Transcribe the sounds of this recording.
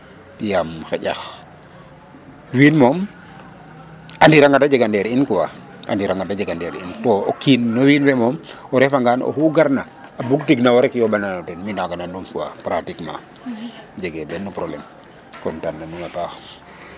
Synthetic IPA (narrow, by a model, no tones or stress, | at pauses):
pijamxɛ̰ɟax | wiːnmɔm | andiɾaŋɡadad͡ʒɛɡandɛɾinkuwa | ʔa̰ndiɾaŋɡadad͡ʒeɡandɛɾintɔokinːɔwiːnbɛmɔmɔɾɛfaŋɡano̰huɡaɾna | abuktiɡnawaɾɛkjɔbananɔtɛnminaɡanandumkuwa̰pɾatikma̰ | d͡ʒɛɡɛbɛnːupɾɔblɛm | kɔntanːanumapax